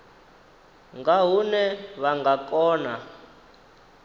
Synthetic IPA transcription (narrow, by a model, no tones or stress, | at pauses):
ŋɡaɦunɛβaŋɡakʼɔːna